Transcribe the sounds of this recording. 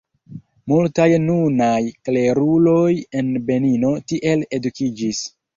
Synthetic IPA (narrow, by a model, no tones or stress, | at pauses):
multajnunajkle̞ɾulo̞je̞nbe̞nino̞tiʔe̞le̞dukid͡ʒis